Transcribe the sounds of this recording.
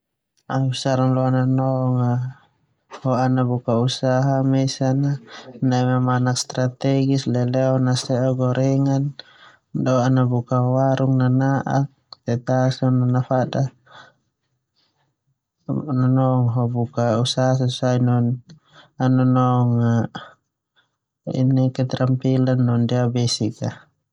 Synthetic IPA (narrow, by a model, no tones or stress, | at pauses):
ausaɾaŋlɔananɔŋa | hɔanabukausaɦamɛsananaimamanak̚st̪ɾat̪ɛɡislɛlɛɔnasɛɔɡɔɾʔɛŋan | dɔanabukawaɾuŋnanaʔak̚t̪ɛt̪asɔnanafada | nɔnɔŋɦɔbukausaɦas̬asainɔn | anɔnɔŋa | ḭnɛkɛt̪ɾampilanːɔndiabɛsika